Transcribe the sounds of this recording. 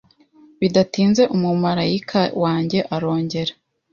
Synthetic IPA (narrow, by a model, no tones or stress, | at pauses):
βidatiːnze̞ʔumumaɾajikʰawaːɲɟe̞ʔaɾo̞ːɲɟe̞ɾa